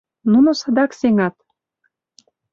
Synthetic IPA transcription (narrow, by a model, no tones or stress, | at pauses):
nunosɑd̪ɑkseŋɑt̪̚